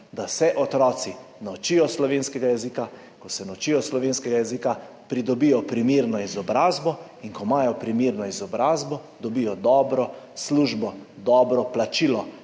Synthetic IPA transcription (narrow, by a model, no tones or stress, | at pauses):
d̪asɛʔɔt̪ɾɔːt̪sinawt͡ʃijɔslɔʋeːnskɛɡajɛzika | kɔsɛnawt͡ʃijɔslɔʋeːnskɛɡajɛzika | pɾid̪ɔbijɔpɾimiɾnɔizɔbɾaːzbɔiŋkɔmaːjɔpɾimiɾnɔizɔbɾaːzbɔ | d̪ɔbijɔd̪ɔːbɾɔsluʒbɔd̪ɔːbɾɔplat͡ʃiːlɔ